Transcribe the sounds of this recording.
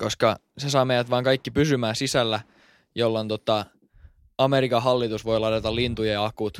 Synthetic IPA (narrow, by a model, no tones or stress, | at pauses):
koskɑsesɑːmejæt̪ʋɑːŋkɑikːipysymæːsisælːæ | jolːont̪ot̪ɑ | ɑmeɾikɑɦɑlːit̪usʋo̞ilɑt̪et̪ɑlint̪ujɑjɑɑkut̪